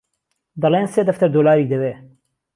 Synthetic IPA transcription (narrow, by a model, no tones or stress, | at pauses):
d̪ɑleːnseːd̪ɐft̪ɐɾd̪oːlaːɾiːk̚d̪ɐweː